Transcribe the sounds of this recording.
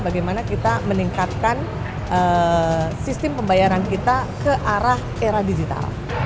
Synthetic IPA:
baɡajmanakit̪aməniŋkat̪̚kan | ə | sist̪ɪmpəmbajaɾankit̪akəʔaɾah | eɾadid͡ʒit̪a̰l

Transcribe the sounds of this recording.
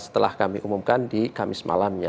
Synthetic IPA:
sə̥t̪əla̰hkamiʔumumkandikamɪsma̰lamɲa

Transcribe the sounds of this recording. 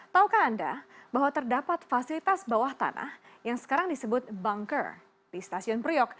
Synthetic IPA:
t̪aukanːnda̰baɦwat̪ərdapat̪fasilit̪asbawaht̪a̰nʔa̰hjaŋsə̥kaɾaŋdisəbʊt̪̚baŋkə̰r | d̥ist̪asiɔnpɾiɔk̚

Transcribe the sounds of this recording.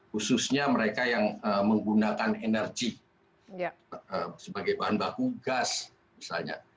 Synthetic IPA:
hususɲaməɾekajaŋəməŋɡunakanenərɡi | əsəbaɡajbaɦanbakuɡas | misa̰lɲa̰

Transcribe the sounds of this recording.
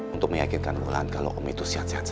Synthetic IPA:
unt̪ʊk̚məjakɪnkanəmulaankalo̰ʔomit̪usiɦasias

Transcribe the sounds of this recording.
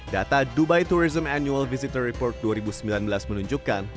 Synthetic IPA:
dat̪adubajt̪uɾizəmanjualvisit̪ərːipɔrt̪̚duaɾibusəmbilanbəlasmənuɲd͡ʒukːan

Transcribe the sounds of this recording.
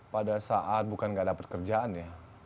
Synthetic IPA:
padasaʔat̪̚bukanŋɡaʔdapat̪̚kərd͡ʒaanja

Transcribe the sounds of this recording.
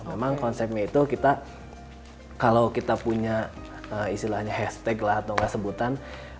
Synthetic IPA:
memaŋkɔnsɛp̚ɲait̪ukit̪a | kalokit̪apuɲa | əist̪ilahɲahɛst̪ɛklahat̪oŋɡasəbut̪an

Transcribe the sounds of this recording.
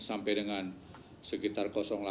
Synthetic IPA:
sampɛdəŋan | səkit̪arkɔsɔŋla

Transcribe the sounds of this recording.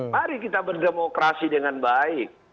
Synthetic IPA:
maɾikit̪abərdemokɾasidəŋanbaɪk̚

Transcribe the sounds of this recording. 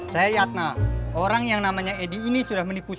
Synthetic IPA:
sajajat̪̚naoɾaŋjaŋnamaɲaediːnisudahmənipu

